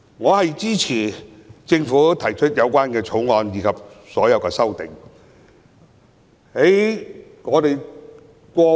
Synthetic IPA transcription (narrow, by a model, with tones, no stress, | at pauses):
ŋɔː˨˧hɐ˨jt͡siː˥t͡sʰiː˨˩t͡sɪ˧ŋfuː˨˥t̪ʰɐ˨˩jt͡ʃʰɵ˥t̚jɐ˨˧wkʷaː˥nkɛː˧t͡ʃʰʊ˨˥wŋɔː˨˧njiː˨˧kʰɐ˨p̚sɔː˨˥jɐ˨˧wkɛː˧sɐ˥wt̪ɪ˨˩ŋ | he˨˥j | ŋɔː˨˧t̪e˨j | kʷɔː˧